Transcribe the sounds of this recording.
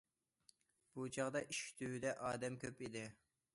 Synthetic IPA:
b̥ut͡ʃʰɑʁd̪ɑʔiʃi̥t̪ʰyd̪ɛʔɑːd̪ɛmkʲʰøpid̪ɪ

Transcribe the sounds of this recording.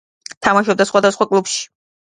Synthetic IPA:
t̪ʰamaʃɔb̚d̪asχwad̪asχwakʼlupʃi̥

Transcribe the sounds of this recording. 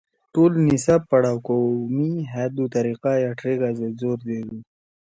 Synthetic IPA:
ʈolnisappːaɽawkomiɦad̪ut̪aɾiqajaʈɾiɡazezoɾd̪eɡu

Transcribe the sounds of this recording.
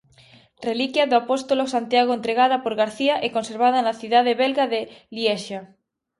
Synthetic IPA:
relikjaðoapost̪olosant̪jaɣ̞oent̪ɾeɣ̞aðapoɾɣaɾθiaʔekonseɾβaðanaθiðaðeβelɣaðelieʃa

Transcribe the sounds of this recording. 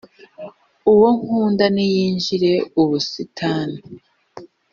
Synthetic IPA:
uwoŋ̥huːndanijiːɲʒiɾe̞uβusitʰaːna

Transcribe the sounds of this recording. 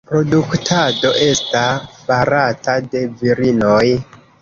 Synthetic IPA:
pɾo̞duktʰado̞ʔe̞stapaɾatade̞viɾino̞j

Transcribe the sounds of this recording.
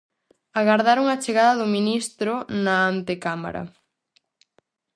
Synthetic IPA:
aɣaɾðaɾuŋat͡ʃeɣaðɐðʊminist̪ɾʊnaant̪ekama̰ɾɐ̰

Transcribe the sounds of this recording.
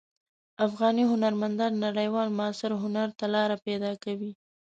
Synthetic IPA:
afɣɑniɦʊnaɾmand̪ɑnːaɽəjwɑlmʊɑsɪɾɦʊnaɾt̪alɑɾaped̪ɑkawi

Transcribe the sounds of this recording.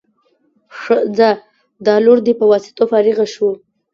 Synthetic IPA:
ʂəd͡za | d̪ɑloɾd̪ipəwɑsɪ̥t̪ofɑɾiɣaʃu

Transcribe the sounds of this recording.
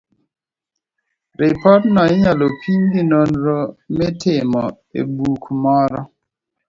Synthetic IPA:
ɾɪpɔtnɔɪɲalopʰiɲɡinonɾɔmɛtʰɪmɔ | ḛbukmɔɾɔ

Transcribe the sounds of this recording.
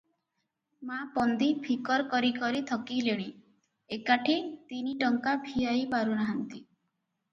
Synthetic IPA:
mapɔnd̪ipʰikɔɾkɔɾikɔɾit̪ʰɔkileɽ̃i | ekaʈʰit̪iniʈɔŋkabʱijajpaɾunaɦant̪i

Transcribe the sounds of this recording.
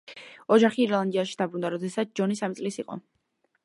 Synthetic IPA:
ɔd͡ʒaχiːɾlˠand̪iaʃid̪abɾund̪aɾɔd̪ɛsat̪s̚d͡ʒɔnisamit̪sʼlisiqʼɔ̰

